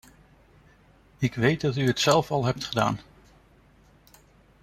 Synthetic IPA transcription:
ɪkʋejt̚dɑtyətsɛlˠfɑlˠɦɛp̚tχəda̰ːn

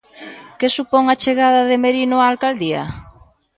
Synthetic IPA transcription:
kesupɔŋat͡ʃeɣað̞aðemeɾinʊaːlkald̪ia̰

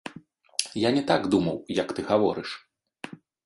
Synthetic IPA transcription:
janʲɛt̪aɡd̪umɐwjɐkt̪ɨɣavɔ̰ɾɨʂ

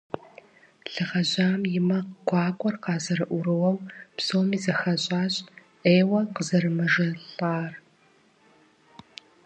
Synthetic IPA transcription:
ɬɨʁɐʑaːmjɪmɐqɡʷɑːkʷʼɔrqɑːzɐɾɨʔʷʊɾɨwɐwpsoːmiːzɐxɐɕʼaːɕʼ | ʔeːwɐqəzɐɾɨmɐʒɐɬaːr

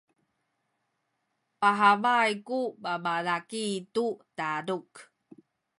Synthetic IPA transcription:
paɦavajkubabalakitutaɾuk

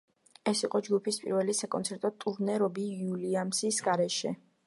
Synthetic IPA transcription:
ɛsiqʼɔd͡ʒɡupʰispʼḭɾvɛlisakʼɔ̰nt̪sʰɛɾt̪ʼɔt̪ʼuɾnɛɾɔbiuliamsisɡaɾɛʃɛ

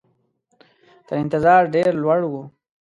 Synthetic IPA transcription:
t̪əɾɪnt̪ɪzɑːɾɖeɾlwaɽwu

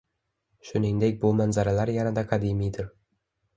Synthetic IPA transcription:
ʃʊnɪŋd̪ek̚ʲbʊmanzaɾalaɾjanad̪aqʰɑd̪imijd̪ɪɾ

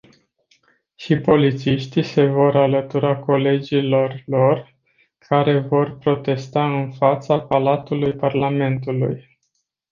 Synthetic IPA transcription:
ʃipo̞lit̪siʃt̪ise̞vo̞ɾalət̪uɾako̞le̞d͡ʒilo̞rlo̞r | kʰaɾe̞vo̞rpɾo̞t̪e̞st̪aɨnfat̪sapalat̪ulujparlame̞nt̪ulṵj

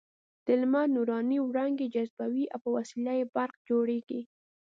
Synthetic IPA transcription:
d̪̥ɪlmanuɾɑniwɽɑŋɡed͡ʒazbawiʔa̰wpəwasilajebaɾqd͡ʒoɽeɡi

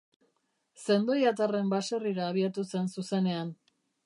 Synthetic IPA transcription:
se̞nd̪o̞jat̪are̞mbaseriɾaːβ̞iat̪use̞nsuse̞ne̞an

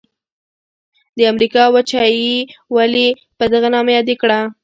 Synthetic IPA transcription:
d̪əamɾikɑwat͡ʃɑjiwali | pəd̪aɣanɑmajɑd̪ekɽa

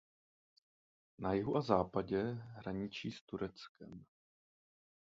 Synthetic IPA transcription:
najɪɦuʔazaːpaɟɛɦɾaɲɪt͡ʃiːst̪uɾɛt͡skɛm

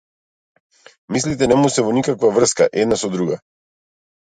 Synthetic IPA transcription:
mislit̪ɛnɛmusɛvɔnikakvavr̩ska̰ʔɛd̪nasɔd̪ɾuɡa

